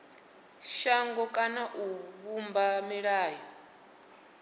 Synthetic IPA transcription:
ʃaŋɡɔkʼanaʔuβumbamiɺaːjɔ

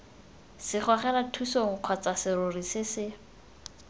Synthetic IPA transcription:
sɪχwaχɛnatʰusoŋ̩q͡χʰwat͡sasɪɾʊrisɪsɪ

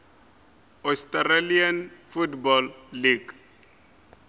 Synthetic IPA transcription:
ɔstaɾalianfutbɔlːiɡ

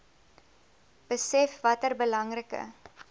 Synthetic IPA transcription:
b̥əsɛfvɐtərbəlɐŋrəkə̰

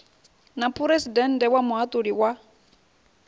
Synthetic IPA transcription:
napʰuɾesidɛn̩dɛwamʊɦat̪ʼodiwa

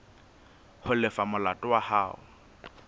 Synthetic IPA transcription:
hʊlɪfamʊlatʼʊwahaːʊ̰

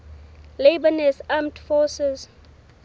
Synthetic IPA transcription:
lebənɛsamtfɔsɛz

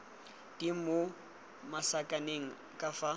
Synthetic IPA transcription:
d̥imo | masakʼaneŋ̩ | kʼafa

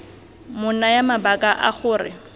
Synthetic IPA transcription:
mʊnajamabakʼaʔaχʊːrɪ̰

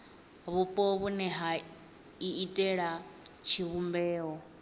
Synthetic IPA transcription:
βupʼɔβunɛɦa | iitʼɛɺat͡ʃʰiβumbɛːɦɔ

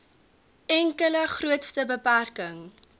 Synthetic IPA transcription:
ɛŋkələχruətstəbəpærkəŋ

